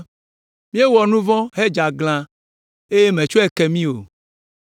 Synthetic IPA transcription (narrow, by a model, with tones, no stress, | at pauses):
mĩ˦e˦wɔ˨nũ˦vɔ̃˦ɦe˦d͡ʒa˨ɡl̃ã˦ | e˦je˦mẽ˨t͡ʃo˦e˨kɛ˨mĩ˦o˨